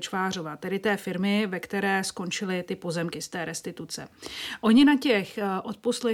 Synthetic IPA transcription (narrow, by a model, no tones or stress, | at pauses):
t͡ʃvaːr̝o̞vat̪ɛdɪt̪ɛːfɪɾmɪvɛkt̪ɛɾɛːsko̞nt͡ʃɪlɪt̪ɪpo̞zɛmkɪst̪ɛːɾɛst̪ɪt̪ut͡sɛ̰ʔo̞ɲɪnacɛxʔo̞t̪̚po̞slɛ